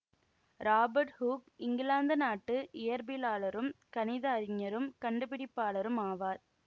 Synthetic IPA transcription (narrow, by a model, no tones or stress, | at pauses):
ɾaːbɐɾʈhuːkɪŋɡɪlaːnd̪ɐnaːʈːɯʔɪjɐɾbɪlaːɭɐɾɯmkɐnɪðɐːɾɪɲːɐɾɯmkɐɳɖɯpɪɽɪpːaːlɐɾɯmaːʋaːɾ